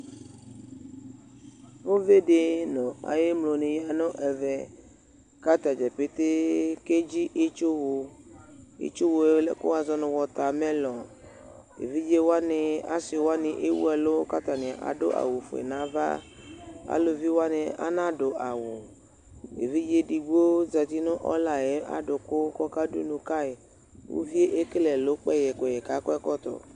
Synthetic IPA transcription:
vo˦ve˦ɖe˦nɔ̃˨a̰˨je˦mlo˨nẽ˨ja˨nɔ̃˦ʔɛ˨vɛ˨ | ka˦t̪a˨d͡ʒɛ˨pe˦t̪e˦ke˦d͡ʑi˦ʔe˦t͡ʃo˦wo˨ | ḛ˦t͡ʃo˦wo˨e˦lɛ̰˨ko̰˦a˨zɔ˦nʊ̃˨wɔ˨t̪a˨mẽ˦lɔ˨ | ḛ˨vi˦d͡ʒe˦wo˦a˦nɪ̃˨a̰˦sɪ˨wa˦nɪ˨ʔe˦wṵ˦ɛ˨lʊ˦ka˦t̪a˨nɪ̃˨a˨ʔa̰˨dʊ̰˦ʔa̰˨wo˨fʊ̰˨ḛ˨nã˨˦va̰˦ | a̰˦lo˨vi˦wa˦nɪ˨a̰˦nã˦dʊ˨ʔa˨wʊ˨ | ḛ˨vi˦d͡ʒe˦di˨ɡ͡bo˦za˨t̪i˦nʊ̃˦ʔɔ̰˦la˨jɛ˨˦a̰˦dʊ˨kʊ˦kɔ˦ka˦dṵ˦nʊ̃˨ka˦e˨ | wo̰˦vi˦e˦ʔe˦ke˦lɛ˨lo˦k͡pɛ˦jɛ˨kɛ˨jɛ˨ka˦kɔ˦ɛ˦kɔ˦t̪ɔ̰˨

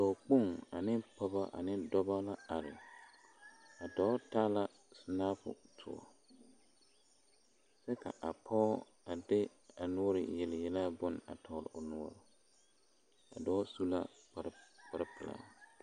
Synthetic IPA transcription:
dɔː˨k͡po˦˨ŋa˨nɪ˦pɔ˦ba˦ʔa̰˨nɪ˦dɔ˦ba˦la˦a˨ɾɪ̰˨ | a˨dɔː˨˦ta˦la˦ | sʊ˨naː˦fʊ̰˨tʰʊ̰˨ɔ̰˨ | sɛ˦ka̰˨ʔa˨pʰɔː˦ | a˨dɪ˦ | a˨nʊ˦ɔ˦ɾɪ̰˨jɛ˨lɪ˨jɛ˦la˦bʊ˦n˨a̰˨tʰɔː˨ɾɪ̰˨ʔʊ˨nʊ˦ɔ˦ɾɪ˨ | a̰˨dɔː˦su˦la̰˦pa˨ɾpa˨ɾɪ˦pɪ˨la̰˦

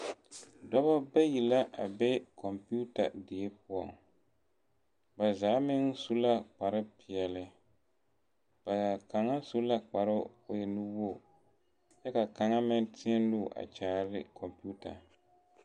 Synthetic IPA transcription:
dɔ˦βa˦ba˦ji˨la˦ʔa˨bɛ˦kʰɔ˨mpu˦ta̰˨dɪ˨e˦p̚ʊ˦ɔ̰˨ŋ | ba˨zaː˨˦mɪ˦ŋsu˦la˦k͡pa˨ɾɪ˦pɪ˨ɛ˨lɪ˨ | b̥a˨ja˨ka˨ŋa˦su˦la˦k͡pa˨ɾɪ˦ʊ˨jɛ˨nɨ˦wo˦˨ | t͡ʃɛ˦ka˨ka˨ŋa˦mɪ˦tʰɪ˦ɛ˦n˦lʊː˦˨ʔa̰˨t͡ʃaː˨˦ɾɪ˦kʰɔ˨mpi˦u˦ta̰˨

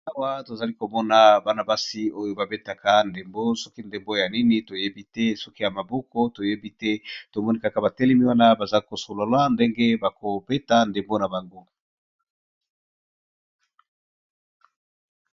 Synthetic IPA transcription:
a˦wa˦to˨za˨li˦ko˨mɔ˦na˦ba˦na˨ba˦si˦o˦jo˦ba˨be˦ta˨ka˦nde˨mbo˦sɔ˦ki˦nde˨mbo˦ja˨ni˦ni˦to˨je˦bi˦tɛ˦sɔ˦ki˦ja˨ma˨bɔ˦ko˦to˨je˦bi˦tɛ˦to˨mɔ˦ni˦ka˨ka˦˨ba˨tɛ˦lɛ˦mi˦wa˦na˦ba˨za˦ko˨so˨lo˨la˦nde˦ŋɡe˦ba˨ko˨be˦ta˦nde˨mbo˦na˨ba˨ŋɡo˦

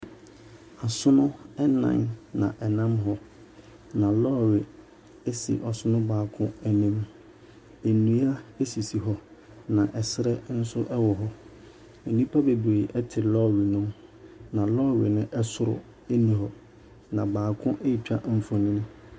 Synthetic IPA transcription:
a˨sʊ˦nʊ̃˦ɛ˦nã̰˨nnã̰˨ʔɛ˨nã˦mɦɔ˦ | nã˨lɔː˦˨we˨ | e˦sḭ˨ʔɔ˨sʊ˦nʊ̃˦baː˨kʰʊ̃˦ɛ˨nĩ˦m | e˨nũ˦a˦e˦si˨si˨ɦɔ˦ | nã˨ʔɛ˨sɪ˦ɾɛ˦n̩˦sʊ˦ʔɛ˦wɔ˨ɦɔ˦ | e˨nĩ˦pʰa˦be˨be˨ʔɛ˦tʰɪ˨lɔ˦˨wi˨nʊ̃˦mnã˨lɔː˦˨we˨nɪ̃˦ʔɛ˦sʊ˨ɾʊ̰˨ | e˦nĩ˨ɦɔ˨ | nã˨baː˨kʰʊ̃˦ʔe˦i˨t͡ɕᶣa˦m̩˨fɔ̃˨nɪ̃˦nʊ̃˦

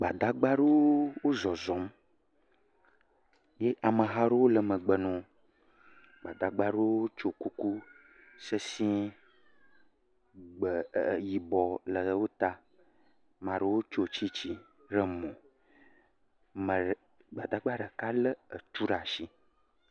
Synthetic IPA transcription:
ɡ͡ba˨d̪a˦ɡ͡ba˦ɖe˦wo˦wo˦zɔ˨zɔ˨˦m | je˦ʔa˨mə˨ɦa˦ɖe˦wo˦lə˨mə̃˨ɡ͡bə˨nɔ̃˨˦ | ɡ͡ba˨d̪a˨ɡ͡ba˦ɖo˦wo˦o˦t͡ʃo˨ku˦ku˦ | sə˦sĩ˦ | ɡ͡bə˨ji˨bɔ˨lə˨wo˦t̪a˦ | mã˨ɖo˦wo˦t͡ʃo˦˨t͡ɕi˦t͡ɕi˦ | ɖə˦mɔ̃˨ | mə˨ | ɡ͡ba˨d̪a˦ɡ͡ba˦ɖə˨ka˦lə˦ə˨t̪u˦ɖa˨ʃi˦

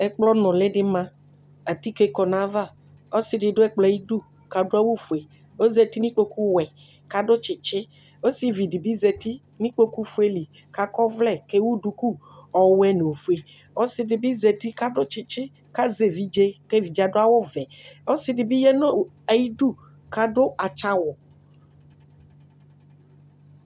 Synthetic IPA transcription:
ɛ˦k͡plɔ˦nɔ̃˨lɛ˦ɖɪ˦mã˦ | a˨t̪i˦ke˦kɔ˨nã˦va˦˨ | o˦sɪ˨dɪ˨ɖʊ˦ɛ˦k͡plɔ˨ji˦du˦˨ | ka˨do˦a˦wo˦fu˨e˨ | o˦ze˨t̪i˦nĩ˦k͡po˦ku˦wɛ˨ | ka˦ɖʊ˦t͡ʃɪ˨t͡ʃɪ˦ | o˦si˦vi˨di˨bi˦ze˨t̪i˦ | nĩ˦k͡po˦ku˦fu˦e˦li˨ | ka˦kɔ˦vlɛ˦˨ke˦wu˦du˨ku˦ | ɔ˨wɛ˦ne˨o˨fu˨˦e˨ | o˦si˦di˨bi˦ze˨t̪i˦ka˦ɖo˦t͡ʃi˨t͡ʃɪ˦ | ka˦ze˨vi˨d͡ʒe˦ke˦vi˨d͡ʒa˨do˦a˦wo˦vɛ˨o˦si˦di˨bi˦jɛ˦no˦˨ | a˨ji˦ɖu˦ | ka˦ɖo˦ʔa˨t͡ʃa˦wɔ˨

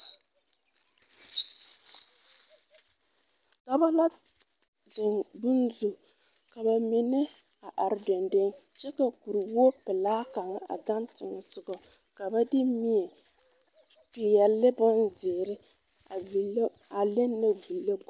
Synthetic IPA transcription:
ka˨ba˦la˦ | zɪ˨ŋbʊ˦nzu˨ | ka˨ba˨mɪ˨nɛ˦ | a˨ʔa˨ɾɪ˨dɔ˨ndɪ˦n | t͡ʃɛ˦ka˨ku˨ɾi˨wu˦o˦pɪ˨laː˦ka˨ŋa˦ʔa̰˨ɡa˦ntɪ˨ŋɛ˨sʊ˨ɡɔ˨ | ka˨ba˦dɪ˦mi˦ɛ˨ | pɪ˨jɛ˨lːɪ˦bʊ˦nzɪː˨ɾɪ˦ | a˨i˨˦ | a˨le˦nːa˦vi˨lːe˦b

